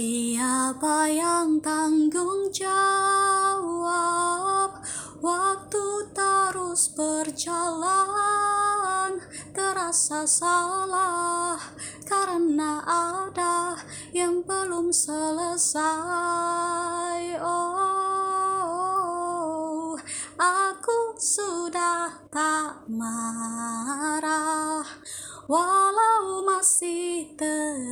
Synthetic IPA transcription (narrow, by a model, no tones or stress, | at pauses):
iapajaŋt̪aŋɡʊŋd͡ʒa | a | p̚ | wak̚t̪ut̪əɾusbərd͡ʒala | n | t̪əɾasasalah | kaɾənaʔada | jaŋbəlumsələsa | jo | ʔakusudaht̪aʔma | ɾah | walamasiht̪ə